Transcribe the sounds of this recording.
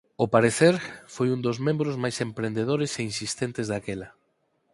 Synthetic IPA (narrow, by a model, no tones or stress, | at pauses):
ʊpaɾeθeɾfojund̪ozmẽmbɾʊzmajsempɾend̪eð̞oɾeseinsist̪ent̪ɪzðakelɐ